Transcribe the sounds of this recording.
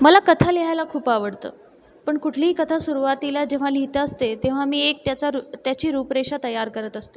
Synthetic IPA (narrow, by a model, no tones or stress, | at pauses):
məlakət̪ʰaliɦajlakʰuːpaʋəɽt̪ə̰ː | pəɳkuʈʰliːkət̪ʰasuɾuʋat̪ilad͡ʑeʋ̤alit̪əəst̪et̪eʋ̤amiːek̚t̪jat͡saɾut̪jat͡ɕiːɾupɾeɕat̪əjaɾkəɾət̪əst̪e